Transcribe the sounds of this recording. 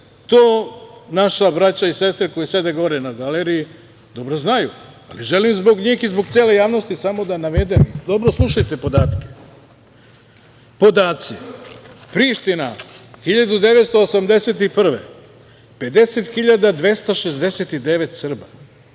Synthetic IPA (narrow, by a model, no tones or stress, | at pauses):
t̪oːnaʃabɾat͡ɕaise̞st̪ɾeko̞jese̞d̪eɡo̞ɾenaɡaleɾiji | d̪o̞bɾoznaju | a̰liʒe̞limzbo̞ɡɲiːxizboɡt̪seːle̞jaːʋno̞st̪isamo̞d̪anaʋe̞d̪emid̪o̞bɾoslˠuʃajt̪e̞po̞d̪aːt̪ke̥ | po̞d̪aːt̪si | pɾiʃt̪inaxiʎad̪ud̪e̞ʋe̞t̪st̪o̞osamd̪e̞se̞t̪ipr̩ʋḛ | pe̞d̪e̞set̪xiʎad̪ad̪ʋe̞st̪oʃezd̪e̞set̪id̪e̞ʋe̞t̪sr̩ba